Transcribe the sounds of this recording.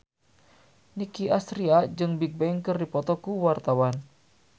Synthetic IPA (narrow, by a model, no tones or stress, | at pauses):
nikiʔast̪ɾiad͡ʒɨŋbik̚bɛŋkɨrdipɔt̪ɔkuwart̪awan